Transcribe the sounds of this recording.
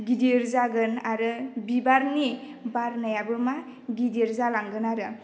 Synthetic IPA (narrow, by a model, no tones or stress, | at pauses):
ɡidiɾzaɡɯnaɾɯbibaɾni | baɾnajabɯma | ɡidiɾzalaŋɡɯnaɾɯ